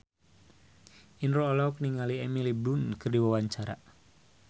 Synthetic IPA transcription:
inrɔːlɔk̚niŋaliɛmilibɾunkɨrdiwawaɲt͡ʃaɾa̰

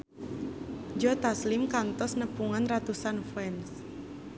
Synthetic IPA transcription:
d͡ʒɔt̪aslɪmkant̪ɔsnəpuŋanrat̪usanfɛns

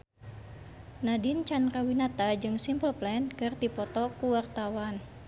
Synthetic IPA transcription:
nadint͡ʃanrawinat̪ad͡ʒɨŋsimpəlplɛnkɨrt̪ipɔt̪ɔkuwart̪awan

